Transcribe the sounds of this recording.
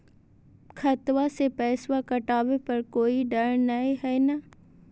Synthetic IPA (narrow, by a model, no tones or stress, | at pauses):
kʰɐt̪wasepɛːswakɐʈaːʋepɐɾkoːiɖɐɾnɐiɦɛːna